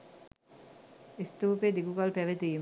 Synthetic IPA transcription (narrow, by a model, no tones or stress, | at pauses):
ist̪uːped̪iɡuɡɐlpæʋet̪iːm